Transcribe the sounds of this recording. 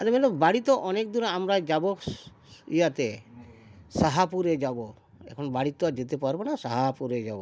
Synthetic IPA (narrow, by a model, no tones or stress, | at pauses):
aɾemɛlɔbaɽit̪ɔʔɔnek̚d̪uɾaamɾad͡ʒabɔ | ḭjat̪ɛ | saɦapuɾed͡ʒabɔ | ɛ̰kʰɔnɔbaɽit̪ɔad͡ʒet̪epaɾbɔnasaɦapuɾed͡ʒabɔ